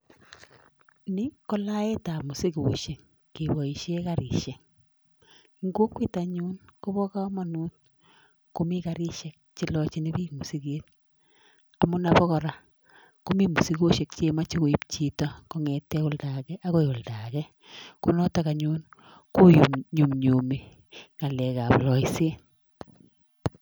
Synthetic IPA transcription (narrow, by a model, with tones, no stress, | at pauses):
nɪ˦kɔ˦la˦e˦ta˨mʊ˨si˦koʃe˨k | ki˨bɔ˨i˨ʃe˦ka˦ɾɪ̰˨ʃɛ˨ŋ | ŋɡo˦kwi˦taɲu˦nko˦bɔ˦ka˦ma˨nu˦t̚ | ko˨mi˦ka˨ɾɪ˦ʃɛ˦k̚t͡ʃi˦lɔt͡ʃi˦ni˦bi˦mu˨si˦ke˦t | a˨mʊ˦na˨bɔ˦kɔ˨ɾa˨ | ko˦mi˦mu˨si˦ko˦ʃɛ˨k̚t͡ʃe˨ma˦t͡ʃi˦ko˨i˦pt͡ʃi˦tɔ˦ko˦ŋɛtːɛ˦ʊ˦lda˨kɛ˦ʔa˦ko˦jo˨lda˨kɛ˦ | ko˦nɔ˦taka˨ɲu˦n | ko˦ju˨mɲu˨mɲu˨mi˨ | ŋa˨lɛ˨ka˨plɔ˨˦jse˦